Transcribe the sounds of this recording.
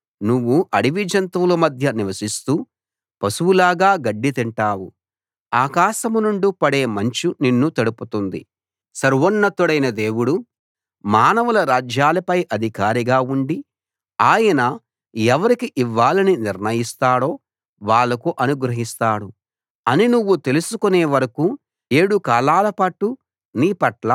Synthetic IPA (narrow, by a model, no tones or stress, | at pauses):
nuʋːuʔɐɽiʋid͡ʒɐnt̪ʋulɐmɐd̪ʱjɐniʋɐsist̪uː | pɐsuwulaːɡaːɡɐɖːit̪iɳʈaːwu | aːkaːʃɐmunuɳɖupɐɽe̞ːmɐɲt͡ʃuninːut̪ɐɽuput̪und̪ḭ | sɐɾʋɐnːɐt̪uɽɐjnɐd̪e̞ːwuɽu | maːnɐʋulɐɾaːd͡ʒjaːlɐpɐjʔɐd̪ʱikaːɾiɡaːuɳɖi | aːjɐnɐ | ɛʋɐɾikiʔiʋːaːlɐniniɾnɐjist̪aːɽo̞ː | ʋaːɭːɐkuʔɐnuɡɾɐɦist̪aːɽu | ɐninuʋːut̪e̞lusukuneːʋɐɾɐkuː | e̞ːɽukaːlaːlɐpɐʈu | niːpɐʈla